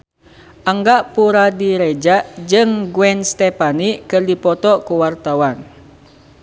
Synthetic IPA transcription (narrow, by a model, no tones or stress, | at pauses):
ʔaŋɡaʔpuɾadiɾɛd͡ʒaʔd͡ʒɨŋɡwɛnst̪ɛpaniʔkɨrdipɔt̪ɔkuwart̪awan